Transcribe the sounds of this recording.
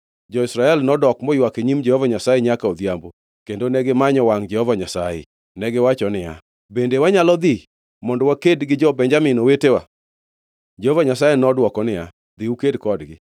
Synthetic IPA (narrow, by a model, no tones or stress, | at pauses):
d͡ʒɔɪsɾaɛlnɔdɔkmɔjwakeɲimd͡ʒɛhovaɲasajeɲakaod̪jambo | kendonɛɡɪmaɲɔwaŋd͡ʒɛhovaɲasajḛ | nɛɡɪwat͡ʃɔnɪja̰ | bendewaɲalɔd̪i | mɔndɔwakedɡɪd͡ʒɔbɛɲd͡ʒamɪnowetewa̰ | d͡ʒɛhovaɲasajenɔdwɔkɔnɪja̰ | d̪iukedkɔdɡɪ